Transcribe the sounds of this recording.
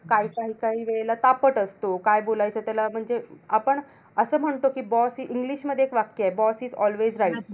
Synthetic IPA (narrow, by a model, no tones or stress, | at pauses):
kaɦiːkaɦiːkaɦiːʋeɭelat̪apəʈəst̪okajbolajt͡sət̪jalam̤əɳd͡zeapəɳ | əsəːm̤əɳt̪okiːbɔsiʔiŋɡliɕməd̪ʱːjeːkʋakjaebɔsiːd͡zɔlʋed͡zɾaiʈ